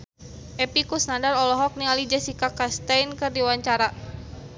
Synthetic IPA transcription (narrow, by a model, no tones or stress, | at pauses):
ʔɛpikusnandarɔlɔɦɔk̚nialid͡ʒɛsikakast̪ajnkɨrdiwaɲt͡ʃaɾa